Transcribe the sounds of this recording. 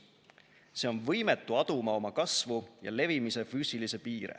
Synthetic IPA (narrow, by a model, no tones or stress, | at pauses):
se̞o̞nvɤjmet̪ːˑuɑd̪̥umɑo̞mɑkɑsvujɑ̰le̞vimise̞fyːsʲilise̞piːɾḛ